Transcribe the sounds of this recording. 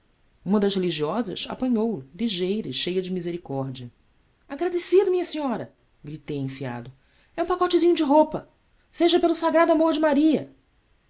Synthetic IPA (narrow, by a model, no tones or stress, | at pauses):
ũmɐd̪ɐʃheliʒiɔzɐ̰sa̰pɐ̃ɲowliʒejɾɐiʃejɐd͡ʒɪmizeɾikɔɾd͡ʒiɐ | aɡɾad̪esid̪ʊmĩɲɐsĩɲɔɾɐ | ɡɾit̪ejẽfia̰d̪ʊ | ɛũpakɔt͡ʃɪzĩɲʊd͡ʒɪɦopɐ | seʒɐpelʊsaɡɾad̪amoɾd͡ʒɪmaɾiɐ